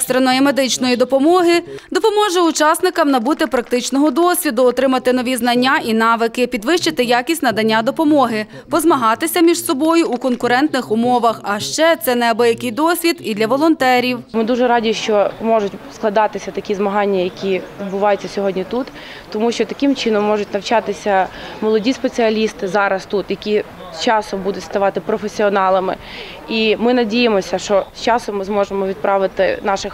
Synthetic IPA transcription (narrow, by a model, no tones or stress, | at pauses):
st̪ɾenɔjime̞d̪ɪt͡ʃnɔjid̪ɔpɔmɔɦɪd̪ɔpɔmɔʒɛʊt͡ʃɑsnɪkɐmnɐbut̪ɪpɾɐk̚t̪ɪt͡ʃnɔɦɔd̪ɔsʲʋʲid̪ʊɔt̪ɾɪmɐt̪ɪnɔʋʲiznɐnʲːaʔinɑʋɪkɪpʲid̪ʋɪʃt͡ʃɪt̪ɪjɑkʲisʲtʲnɐd̪ɐnʲːad̪ɔpɔmɔɦɪ | pɔzmɐɦɑt̪ɪsʲɐmʲiʒsɔbɔjʊːkɔnkʊɾɛnt̪nɪxʊmɔʋɐxɐʃt͡ʃɛt̪sɛnɛbɔjɐkɪjd̪ɔsʲʋʲid̪id̪lʲɐʋɔlˠɔnt̪ɛɾʲiwmɪd̪uʒɛɾɑdʲiʃt͡ʃɔmɔʒʊtʲsklˠɐd̪ɑt̪ɪsʲɐt̪ɐkʲizmɐɦɑnʲːɐjɐkʲiʋʲid̪̚bʊʋɑjʊtʲːɐsʲɔɦɔdʲnʲit̪ut̪ː | ɔmuʃt͡ʃɔt̪ɐkɪmt͡ʃɪnɔmːɔʐʊtʲnɐwt͡ʃɑt̪ɪsʲɐmɔlˠɔdʲispet͡sʲiɐlʲist̪ɪzɑɾɐst̪ut̪jɐkʲi | st͡ʃɑsɔmbud̪ʊtʲst̪ɐʋɑt̪ɪpɾɔfesʲiɔnɑlˠɐmɪ̰ | imɪnɐdʲijemɔsʲɐʃt͡ʃɔst͡ʃɑsɔmːɪzmɔʒemɔʋʲid̪̚pɾɑʋɪt̪ɪ̰nɑʃɪx